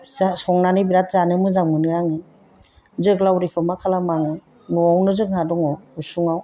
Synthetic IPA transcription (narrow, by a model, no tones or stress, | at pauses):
zsɔŋnanibiɾat̚zanɯmɯzaŋmɯnɯaŋɯ | zɯklawɾikʰɯmakʰalamaŋɯ | nɔawnɯzɯk̚nadɔŋɔusuŋaw